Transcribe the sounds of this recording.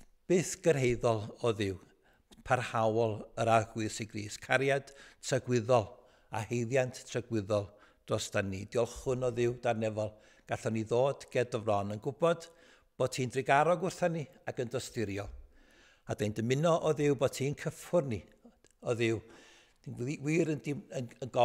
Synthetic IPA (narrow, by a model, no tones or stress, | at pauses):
b̥eːθɡ̥ərɦejðɔlˠɔðɪw | pʰarhawɔlˠəɾarɡwɨsiɡriːskʰaɾjad̥tʰrəɡwɪðɔlˠ | a̰hejðjantʰtʰrəɡwɪðɔlˠ | d̥rɔstanid̥ɪɔlˠχʊnɔðɪwdarnɛvɔlˠ | ɡ̥aɬɔniðoːdɡ̥ɛdɔvrɔnənɡʊbɔd̥ | b̥o̥ːtʰiːndrɪɡaɾɔɡʊrθanːi | akəndrɔstɪɾjɔ | adajndəmɪnɔʔɔðɪwbodtʰiːnkʰəfʊrni | ɔðɪw | d̥iniwiːɾəndiənənɡɔ